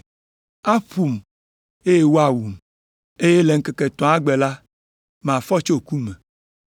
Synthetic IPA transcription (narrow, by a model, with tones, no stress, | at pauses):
a˦ɸu˨m | e˦je˦wo˦a˨wu˨m | e˦je˦le˨ŋ̩˦kɛ˨kɛ˨t̪ɔ̃˨˦a˦ɡ͡bɛ˨la˦ | m˨ã˨fɔ˦t͡ʃo˦ku˦me˨